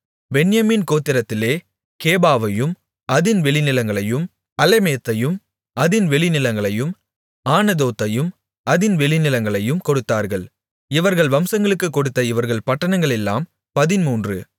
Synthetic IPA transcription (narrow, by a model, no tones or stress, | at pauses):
bɛnjɐmiːnkoːt̪ːɪɾɐt̪ːɪleː | keːbaːʋɐjɯm | ʔɐðɪnʋɛɭɪnɪlɐŋɡɐɭɐjɯm | ɐlɛmeːt̪ːɐjɯm | ɐðɪnʋɛɭɪnɪlɐŋɡɐɭɐjɯm | aːnɐðoːt̪ːɐjɯm | ɐðɪnʋɛɭɪnɪlɐŋɡɐɭɐjɯmkɔɽɯt̪ːaːɾɣɐɭ | ɪʋɐɾɣɐɭʋɐmsɐŋɡɐɭɯkːɯkːɔɽɯt̪ːɐɪʋɐɾɣɐɭpɐʈːɐnɐŋɡɐɭɛlːa̰ːm | pɐðɪnmuːndrɯ̰